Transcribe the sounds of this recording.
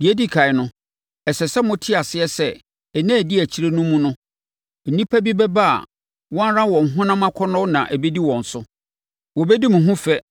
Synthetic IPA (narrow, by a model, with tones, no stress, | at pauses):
di˨æ˦di˦˨kʰa˨ɪ˨nʊ̃˦ | ɛ˨sɛ˨sɛ˦mʊ̃˦tʰɪ˦a˨sɪ˦ɛ˦sɛ˦ | ɛ˨nã˦˨di˦æ˨t͡ɕʰi˦ɾe˦nʊ̃˦mũ˦nʊ̃˦ | n̩˨nĩ˦pʰæ˦bi˦bɛ˦ba˦a̰˨ | wɔ̃˦ɾã˦wɔ̃˨ŋ̩˨ɦʊ̃˦nã˦mã˦kʰɔ˦nɔ̃˦nã̰˨ʔæ˨be˦di˦wɔ̃˨n̩˨sʊ˦ | wɔ˨bɛ˦di˦mũ˨ɦũ˦fɛ˦